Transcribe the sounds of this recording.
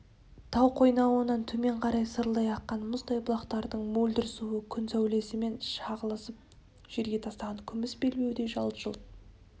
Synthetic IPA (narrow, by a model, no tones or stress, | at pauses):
t̪ʰɑwqʰo̞jnɑwənɑnt̪ʰɵme̞ɴqʰɑɾɑjsəɾlˠɑjɑqːɑnmʊzd̪ɑjbʊlˠɑqt̪ɑɾd̪əɴmɵlʲd̪ɪɾɪsuəkʲʰʏnsæwle̞sɪme̞nʃɑʁəlˠəsəp̚ | ʒ̥e̞ɾɡʲe̞t̪ʰɑst̪ɑʁɑŋkʲʰʏmɪsbe̞lme̞wd̪e̞ʒɑlˠʒ̥əlˠt̪